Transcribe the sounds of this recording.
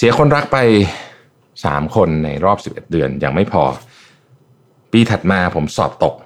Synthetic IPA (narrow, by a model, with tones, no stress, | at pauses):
si˩˦ɐkʰo˧nɾa˦˥k̚pa˧j | sa̰ː˩˦mkʰo˧nːa̰˧jɾɔː˥˩p̚si˨˩p̚ʔḛ˨˩t̪̚dɯ˧ənja̰ː˧˩ŋma˥˩jpʰɔ̰ː˧ | piː˧t̪ʰa˨˩t̪̚maː˧pʰo˩˦msɔ̰ː˨˩p̚t̪o˨˩k̚